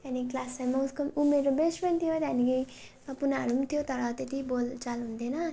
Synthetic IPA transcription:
t̪aniklaslajmʌwskʌmumeɾobespʌnt̪ʰjot̪aniɡʌj | mapunaɾumt̪ʰijot̪ʌɾʌt̪et̪ibolt͡salɦũnd̪enʌ

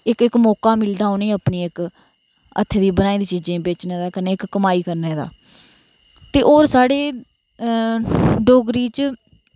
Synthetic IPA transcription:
ɪkɪkmɔːkaːmɪld̪aːonẽːaːpniːɪk | ə̰t̪ʰːed̪iːbənaːĩːd̪iːt͡ʃiːd͡ʒẽːbeːt͡ʃneːd̪aːkəɾneːɪkːəmaːiːkəɾneːd̪a̰ː | t̪eːʔoːɾsaːɽeː | ɖoːɡɾiːt͡ʃ

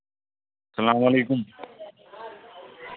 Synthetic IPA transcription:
sɐlaːmɐleːkʊm

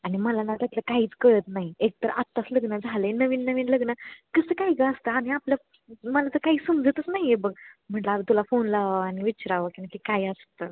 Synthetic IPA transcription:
aɽ̃iməlanat̪ət̪ləkaɦiːt͡skəɭət̪naɦiek̚t̪əɾa̰t̪ːasləɡnəd͡zʱalenəʋiːnːəʋiːnləɡnəkəsəkajɡaəst̪əaɽ̃iapljə | məlat̪əkaɦiːsəmd͡zət̪ət͡snaɦijebəɡ̚m̤əɳʈlaat̪t̪ulafonlaʋəañiʋiːɕɾaʋəkinakikajəst̪əː

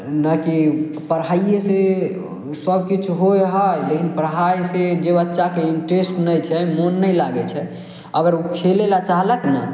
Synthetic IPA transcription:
naki | pəɾɦaijese | səb̚kit͡ʃʰɦojɦəjd̪ekʰinpəɾɦajsed͡ʒebətːʃakeinʈɾesʈɦunɛt͡ʃʰɛmonːəjlaɡɛt͡ʃʰɛ | əɡəɾukʰelelat͡ʃaɦləkna

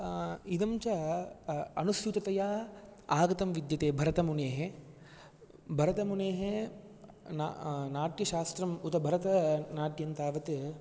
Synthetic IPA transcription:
id̪ɐmt͡ʃɐ | ɐnust̪ut̪ɐt̪ɐjaaːɡɐt̪ɐmʋid̪jɐt̪eːbʱɐɾɐt̪ɐmuneːɦe | bʱɐɾɐt̪ɐmuneːɦe | na̰naːʈjɐʃaːst̪ɾɐmut̪ɐbʱɐɾɐt̪ɐnaːʈjɐnt̪aːʋɐt̪ɨ

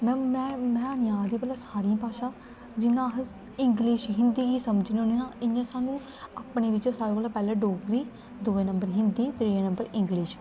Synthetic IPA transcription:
mɛ̃ːmɛ̃ːmɛ̃ːənɪjãːd̪iːpɛlaːsaːɾiãːpaːʃaː | d͡ʒɪnãːɦ | ɪŋɡlɪʃɦɪnd̪iːɡiːsəməd͡ʒneonenãːɪnːãːsaːnũː | aːpneːʋɪt͡ʃːsaːɾeːkoːlaːpɛːlẽːɖoːkɾiː | d̪uːeːnəmbəɾɦɪnd̪iːt̪ɾiːãːnəmbəɾɪ̃ŋɡlɪʃ

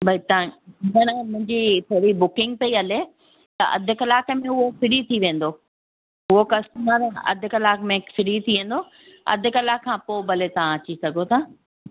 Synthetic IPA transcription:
bʱɐit̪ɐãɪnɐnɐmʊ̃ɦɪ̃ɲd͡ʑit̪ʰɐɽibʊkɪ̃ŋɡ̚pɐiɐle | t̪ɐ̰ʔɐ̰d̪ʱʊ̆kɐlaːkmẽʊɦofɪɽit̪ʰiʋẽːn̆d̪oː | ʊɦokɐst̪maɾɐ̰d̪ʱʊ̆kɐlaːkmẽfɪɽit̪ʰiʋẽːn̆d̪o | ɐ̰d̪ʱɪ̆kɐlaːkʰːãːpoːbɐlet̪ɐʋãɐt͡ɕisɐɡʱot̪ʰaː

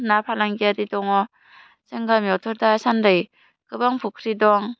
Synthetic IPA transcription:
napʰalaŋɡiadidɔŋɔ | seŋɡamiɔtʰɔɾdasandɯj | kɯbaŋpʰukʰɾidɔŋ

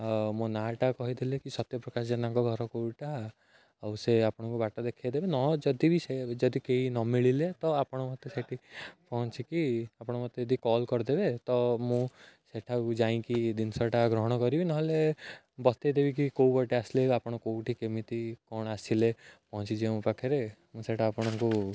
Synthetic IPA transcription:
mũnaʈakɔɦid̪ʰilekisɔt̪jɔpɾɔkasd͡ʒɔnãŋkɔɡʱɔɾɔkouʈa | awseapɔɽ̃ɔ̃ŋkubaʈɔd̪ekʰajd̪ebenɔd͡ʒɔd̪ibised͡ʒɔd̪ikeɦinɔmiɭilet̪ɔapɔɽ̃ɔmɔt̪eseʈʰipɔɦɔ̃t͡ʃikiapɔɽ̃ɔmɔt̪eed̪ikɔlkɔɾd̪ebet̪ɔmũseʈʰad͡ʒaĩkid̪insɔʈaɡɾɔɦɔɽ̃ɔkɔɾibinɔɦle | bɔst̪ajd̪ebikikowbɔʈiasileapɔɽ̃ɔ̃kouʈʰikemit̪ikɔɽ̃asilepɔɦɔ̃t͡ʃid͡ʒeũpakʰeɾemũseʈʰaːpɔɽ̃ɔŋku

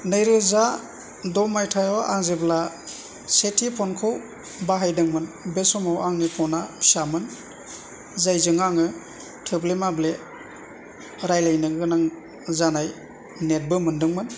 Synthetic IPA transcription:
nɯjɾɯza | dɔmajtʰajɔʔaŋzebla | setʰipʰɔnkʰɯw | baɦajdɯŋmɯnbesɔmawaŋnipʰɔnasamɯn | zajzɯŋaŋɯ | tʰɯblemable | ɾajlajnɯɡɯnaŋ | zanaj | net̚bɯmɯndɯŋmɯn

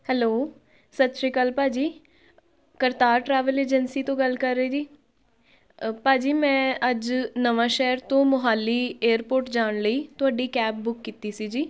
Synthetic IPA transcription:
hɛloː | sət̪ʃɾeːkəlpaːd͡ʒiː | kəɾt̪aːɾʈɾɛːʋəleːd͡ʒənsiːt̪õːɡəlkəɾːeeːd͡ʒiː | paːd͡ʒiːmɛ̃ːəd͡ʒnəʋãːʃɛːəɾt̪õːmʊɦaːliːeːəɾpoːɾʈd͡ʒaːɳləiːt̪ʊaːɖiːkɛːp̚bʊkːiːt̪iːsiːd͡ʒiː

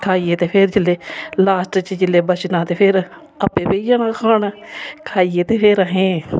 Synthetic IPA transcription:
kʰaːiːeːt̪eːpʰeɾd͡ʒɪlːeːlaːsʈt͡ʃd͡ʒɪleːbət͡ʃnãːt̪eːpʰɪɾ | əpːẽːpeːijãːnãːkʰaːnaːkʰaːiːjeːt̪eːpʰeːɾaɦẽː

